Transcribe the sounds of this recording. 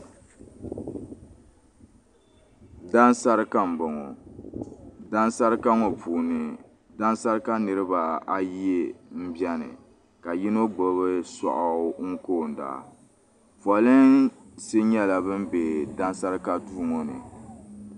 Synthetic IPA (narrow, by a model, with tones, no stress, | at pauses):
da˦nsa˦ɾɨ˦ka˦m̩˨bo˨ŋo˨ | da˦n˦sa˦ɾɨ˦ka˦ŋo˨pʰuː˨nɨ˨ | da˦n˦sa˦ɾɨ˦ka˦nɨ˨ɾɨ˦ba˨a˨ji˦e˦m̩˦bjɛ˦nɨ̰˨ | ka˨ji˦no˦ɡ͡bo˨βɨ˦sɔ̰˨ʔa˨˦ŋ̩˦koː˦˨n̩˨da̰˨ | fɔ˨lɨ˦n | se˦ɲɛ˦la˨bɨ˦mbe˨da˦n˦sa˦ɾɨ˦ka˦tuː˦ŋo˨nɨ̰˨